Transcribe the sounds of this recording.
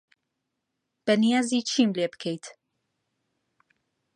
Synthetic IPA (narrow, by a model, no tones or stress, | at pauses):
b̥ɐnijaːzit͡ʃʰimlebɨ̥kʰejt̪